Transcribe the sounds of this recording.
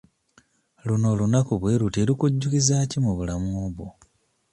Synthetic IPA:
luno̞lunakuβweːɾutilikuɟːukizacimuβulamuβo

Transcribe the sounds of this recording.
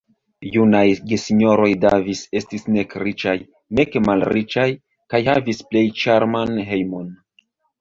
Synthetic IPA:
junajɡesiɲo̞ɾo̞jdavise̞stisne̞kɾit͡ʃaj | ne̞kemalɾit͡ʃaj | kajhavisple̞jt͡ʃaɾmanɦe̞jmo̞n

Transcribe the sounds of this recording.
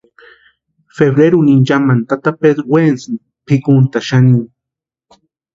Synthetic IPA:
feβɾeɾunind͡ʒamant̪at̪aped̪ɾwensni | pʰikunt̪aʃaniŋ

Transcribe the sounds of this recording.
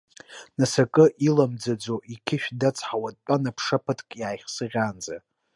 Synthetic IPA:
nasakʼɨʔilamd͡zad͡zoʔikʲʰɪʃᶣdat͡sʰʼħawad̚t͡pʼanapʰʂapʰɨtʰkʼjaːjχʲsɨʁʲand͡za

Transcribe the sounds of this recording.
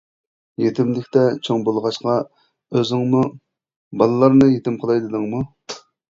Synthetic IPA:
jet̪ʰɪmlɪkʲt̪ɛt͡ʃʰoŋbolˠʁɑʃqɑ | øzɪŋmu | bɑlˠɨlˠɑɾnɨjet̪ɪmqʰəlˠɑjd̪ɨd̪ɨŋmu

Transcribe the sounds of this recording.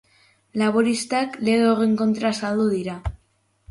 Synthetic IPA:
laβ̞oɾist̪akle̞ɣeoreŋko̞nt̪ɾasald̪uðiɾa

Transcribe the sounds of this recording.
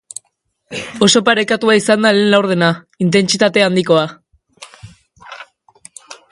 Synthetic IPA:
o̞so̞paɾe̞kat̪uaisand̪ale̞ːnlawɾð̞e̞na | int̪e̞nt͡sit̪at̪e̞and̪iko̞a

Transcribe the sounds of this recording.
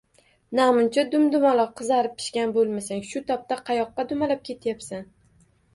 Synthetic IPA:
namʊnt͡ʃʰad̪ʊmd̪ʊmalˠɒqʰːɨzaɾɪp̚ʰːɪ̥ʃkʲanbolˠmasaŋʃʊt̪ʰɒp̚t̪aqʰɑjɒqːɑd̪ʊmalap̚kʲʰe̞t̪ʰjapsan

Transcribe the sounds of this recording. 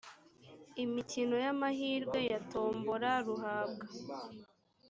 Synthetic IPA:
imicino̞jamahiːɾɡwe̞jato̞ːmboɾaɾuɦaːbɡa

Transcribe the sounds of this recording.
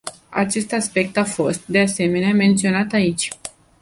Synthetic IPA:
a̰t͡ʃe̞st̪aspe̞k̚t̪afo̞st̪̚d̪e̞ase̞me̞neame̞nt̪sio̞nat̪ait͡ʃʲ

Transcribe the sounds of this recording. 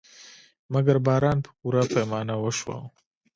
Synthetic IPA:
mɐɡɐɾbaːɾaːnpʰuɾapʰɐjmaːnɐwɐʃwa̰

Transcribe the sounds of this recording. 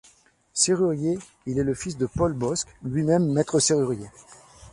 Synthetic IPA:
seʁyʁje | ilɛləfisd̪əpɔlbɔsklɥimɛmːɛt̪χəseʁyʁje

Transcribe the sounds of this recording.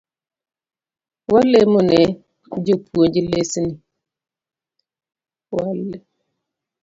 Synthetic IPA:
walːemunɛ | d͡ʒopuod͡ʒilesini | walːe

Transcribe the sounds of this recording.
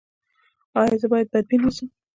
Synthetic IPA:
ɑjɑzəbɑjad̪̚baɾ̚binasəm

